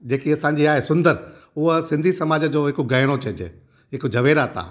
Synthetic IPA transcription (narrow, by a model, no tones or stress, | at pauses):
d͡ʑeːkiɐsãːɲ̆d͡ʑiaːɦesʊ̃nd̪əɾʊɦəsɪ̃nd̪ʱisɐmaːd͡ʑəd͡ʑoːɦɪkoɡɐːɪɽ̃ot͡ɕɐd͡ʑḛ | ɦɪkod͡ʑʱɐʋeːɾaːt̪ʰa̰ː